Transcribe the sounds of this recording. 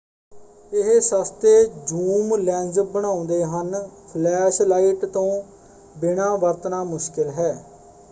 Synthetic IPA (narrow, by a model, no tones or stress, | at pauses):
ɪɦsəst̪eːd͡ʒuːmlɛ̃ːnd͡ʒəbəɳ̃ãːʊ̃nd̪eːɦənpʰlɛːʃlaːiʈt̪õː | bɪɳãːʋəɾt̪naːmʊʃkɪlɦɛː